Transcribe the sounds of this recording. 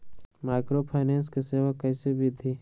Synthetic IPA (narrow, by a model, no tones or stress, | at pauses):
maɪkɾopʰaɪnẽːnskiseːʋakːɐɪsebʱit̪ʰiː